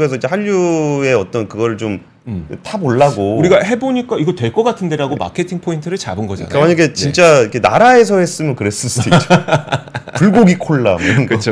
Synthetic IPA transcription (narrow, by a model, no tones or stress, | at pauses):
es̬ʰʌid͡ʑehaʎːue̞ʌt͈ʌnkɯɡʌɾɯɭt͡ɕom | tʰaboɭːaɡouɾiɡahe̞boɲik͈aiɡʌtwe̞ɭk͈ʌk͈atʰɯnde̞ɾaɡoma̰kʰetʰiŋpʰointʰɯɾɯɭt͡ɕa̰bɯnɡʌd͡ʑa̰nkawaɲʌɡe̞t͡ɕint͡ɕ͈aikʰe̞naɾae̞s̬ʰʌhe̞s͈ɯmjʌnkɯɾe̞s͈ɯs͈dio | puɭɡoɡikʰoɭːamjʌnkɯt͡ɕʰo